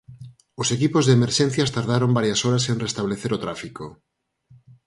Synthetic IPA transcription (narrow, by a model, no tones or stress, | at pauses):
osekipozðeːmeɾʃẽn̟θjast̪aɾð̞aɾombaɾjasoɾasenrest̪aβleθeɾot̪ɾafiko